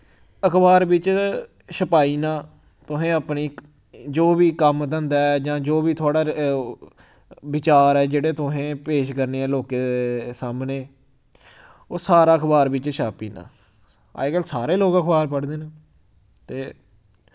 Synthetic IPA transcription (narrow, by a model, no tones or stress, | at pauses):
əkʰbaːɾbɪt͡ʃ | ʃəpaːiːnãː | t̪ʊɦẽːəpniː | d͡ʒoːbiːkəmd̪ə̃nd̪aːɛd͡ʒãːd͡ʒoːʋiːt̪ʰʊaːɽaː | bɪt͡ʃaːɾɛːd͡ʒeːɽeːt̪ʊɦẽːpeːʃkəɾneːɛːloːkeːsaːmneː | oːsaːɾaːəkʰbaːɾbɪt͡ʃʃaːpḭːnã̰ː | a̰ːekəlsaːɾeːloːɡəkʰbaːlpəɽd̪eːnaː | t̪eː